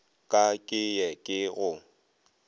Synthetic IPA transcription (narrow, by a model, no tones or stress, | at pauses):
kʼakʼɪjɛkʼɪɣʊ